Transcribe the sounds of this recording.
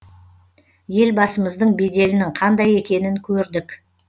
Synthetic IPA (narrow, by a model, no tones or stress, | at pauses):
je̞lbɑsəməzd̪əɴbe̞d̪e̞lɪnɪŋqʰɑnd̪ɑje̞kʲe̞nɪŋkʲʰɵɾd̪ɪk